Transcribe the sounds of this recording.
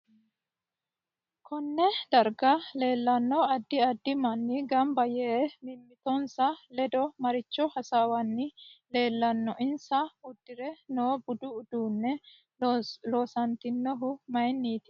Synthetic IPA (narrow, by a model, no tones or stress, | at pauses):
kʰɔnːɛd̪ɐɾɡɐleːlːɐnːɔɐd̪ːɪɐd̪ːɪmɐnːɪɡɐmbɐjɛmɪmːɪt̪ɔnsɐlɛd̪ɔmɐɾɪt͡ʃːɔhɐsawɐnːɪle̞ːlːɐnːɔʔɪnsɐʊd̪̥ːɪɾɛnoːbʊd̪ʊʊd̪uːnːɛ | loːsɐnt̪ɪnːɔɦʊmɐjnːiːt̪ɪ̥